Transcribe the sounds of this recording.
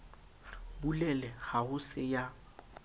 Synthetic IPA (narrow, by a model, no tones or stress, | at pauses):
bulɛlɛhahʊsɪja